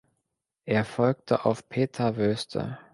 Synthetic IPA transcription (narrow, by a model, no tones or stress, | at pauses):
ʔeːɐfɔlk̚tʰəʔaʊfpʰeːtʰɐvøːstʰə̰